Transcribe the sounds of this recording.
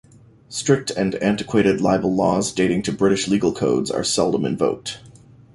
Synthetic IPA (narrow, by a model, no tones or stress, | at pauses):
stɹ̥ɪk̚tʰɨ̃næ̃ntɨkʰw̥eɪɾɨdˡlaɪbl̩ˠlɔzdeɪɾɪ̃ŋtʰɨbɹɪɾɨʃliɡl̩ˠkʰoʊdzə̰˞sɛlˠdə̃mɨ̰̃ɱvoʊk̚t